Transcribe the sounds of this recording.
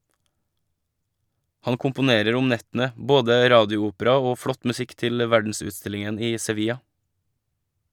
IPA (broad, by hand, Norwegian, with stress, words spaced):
ˈhɑn kʊmpʊˈneːɾəɾ ˈʊm ˈnɛtn̩ə ˈboːdə ˈɾɑːdɪʊˌuːpəɾɑ ˈoː ˈfɽɔt mʉˈsɪk ˈtɪl ˈʋæɖn̩sʉːˌstɪlɪŋən ˈiː sɛˈʋiːjɑ